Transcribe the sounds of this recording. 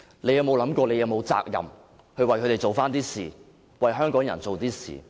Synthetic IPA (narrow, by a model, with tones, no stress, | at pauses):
le˨˧jɐ˧wmo˨˧wlɐ˨˥mkʷɔː˧le˨˧jɐ˨˧wmo˨˧wt͡sa̰ː˧k̚jɐ̰˨m | hɵ˧ɥwɐ˨˩jkʰɵ˧te˨jt͡ʃo˨˩wfaː˥nt̪iː˥sḭː˨˩ | wɐ˨jɦœː˥ŋkɔː˨˥ŋjɐ˨˩nt͡so˨wt̪iː˥sḭː˨˩